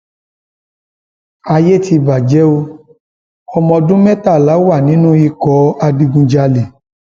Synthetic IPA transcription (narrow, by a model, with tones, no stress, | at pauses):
a˧je˦tʰi˧ba˨d͡ʒɛ˨˦o˧ | ɔ˧mɔ̃˧dũ˦mɛ̃˦ta˦˨la˨˦wa˦˨nĩ˨˦nũ˦i˧kɔ˨˦a˧di˧ɡũ˧d͡ʒa˧le˨